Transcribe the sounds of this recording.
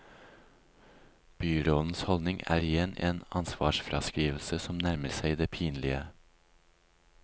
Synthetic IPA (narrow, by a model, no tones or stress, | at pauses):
b̥yːɾoːd̪n̩shɔldnɪŋæ̰ːɾɪjɛneːnɑnsʋɑ̰ːʃfɾɑ̰skɾiːʋl̩səsɔmnæɾməɾsæɪd̪eːpʰiːnlɪə